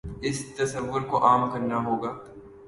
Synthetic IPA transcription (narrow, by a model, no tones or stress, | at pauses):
ɪst̪ɐsɐʋːʊɾkoʔaːmkɐɾnaɦoːɡaː